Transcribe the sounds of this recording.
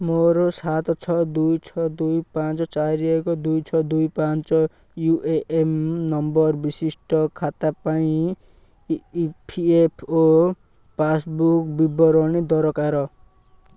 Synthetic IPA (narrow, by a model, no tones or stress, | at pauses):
moɾosat̪ɔt͡sʰɔd̪ujt͡ʃʰɔd̪ujpãnt͡sɔt͡saɾiekɔd̪ujt͡sʰɔd̪ujpant͡ʃɔ | juʔeʔemnɔmbʌɾbisisʈɔkʰat̪apaĩ | pʰiepʰo | pasbukbibɔɾɔñid̪ɔɾɔkaɾɔ